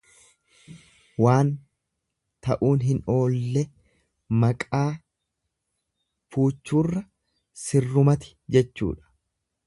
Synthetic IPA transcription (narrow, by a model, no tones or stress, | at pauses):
waːn | t̪ɐʔuːnɦɪno̞ːlːɛ | mɐkʼaː | fuːt͡ʃːuːrːɐ | sɪrːʊmɐt̪ɪ̥d͡ʒɛt͡ʃːṵːᶑɐ̥